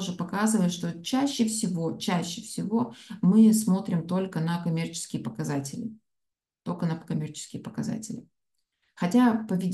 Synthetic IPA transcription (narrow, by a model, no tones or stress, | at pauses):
ʐɨpɐkazɨvəjɪt̪ʂt̪o̞t͡ɕæɕːɪfsʲɪvo̞t͡ɕæɕːɪfsʲɪvo̞mɨsmo̞t̪ɾʲɪmt̪o̞lʲkənɐkɐmʲe̞rt͡ɕɪ̥skʲɪjəpəkɐzatʲɪlʲɪ̰ | t̪olʲkənəkɐmʲe̞rt͡ɕɪ̥skʲɪjəpəkɐza̰tʲɪlʲɪ | xɐtʲapəvʲɪdʲ